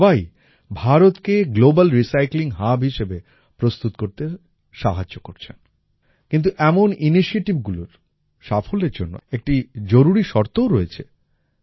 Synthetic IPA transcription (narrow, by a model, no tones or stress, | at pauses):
baj | bʱaɾot̪keɡlobalɾisajkliŋɦabɦiʃebe | pɾost̪ut̪koɾt̪e | ʃaɦaːokoɾt͡ɕʰen | kint̪̬uʔɛmoniniʃieʈibɡuloɾ | ʃafʰoleɾd͡ʑonːo̰ek̚ʈid͡ʑoɾuɾiʃɔɾt̪ooɾoet͡ɕʰe